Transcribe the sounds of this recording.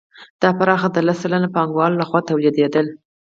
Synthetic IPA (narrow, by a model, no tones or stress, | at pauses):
d̪̥ɑpaɾɑxad̪əlasalanapɑŋɡwɑlolaxwɑt̪awlid̪ed̪əl